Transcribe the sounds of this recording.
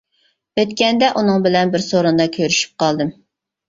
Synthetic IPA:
øt̪kʲɛnd̪ɛʔunɨŋbɪlɛnbɪɾsoɾund̪ɑkʲʰøɾyʃy̥p̚qɑlˠd̪ɨm

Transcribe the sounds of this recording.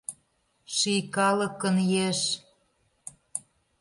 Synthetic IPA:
ʃijkɑlə̆kənjeʃ

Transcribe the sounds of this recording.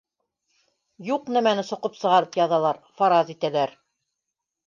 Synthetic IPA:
juqnæmænɘsŏqɤpsɤ̆ʁɑɾɤpjɑðɑlˠɑɾfɑɾɑzit̪ælæɾ

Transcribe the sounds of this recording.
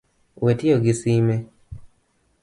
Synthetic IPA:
wetioɡisime

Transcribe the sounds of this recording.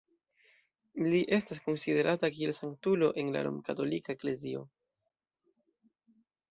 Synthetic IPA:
liʔe̞stasko̞nside̞ɾʔatakie̞lsaŋk̚tulo̞ʔe̞nla̰lo̰mkato̞likaekle̞zio̞̰

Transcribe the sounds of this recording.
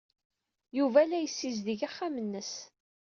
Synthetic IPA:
juvælæjəsːizðiʝaχːamənːəs

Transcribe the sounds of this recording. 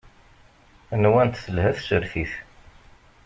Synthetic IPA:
nwænt̪θəlhæθsəɾθiθ

